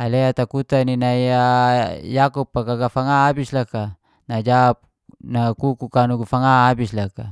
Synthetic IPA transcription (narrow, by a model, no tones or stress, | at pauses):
aleat̪akut̪aninaiajakupːakaɡafaŋaːbislaka | nad͡ʒap̚ | nakukukanuɡafaŋaːbislaka